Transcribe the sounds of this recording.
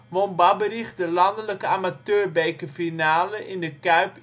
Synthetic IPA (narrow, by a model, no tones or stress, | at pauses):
ʋonbɑbəriχtdəlɑndələkəaːmatøːrbejkəfinaːləʔɪndəkœɥp